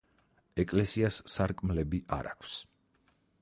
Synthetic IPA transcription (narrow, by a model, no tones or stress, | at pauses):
ɛkʼlɛsiasːaɾkʼmlɛbiʔa̰ɾa̰kʰs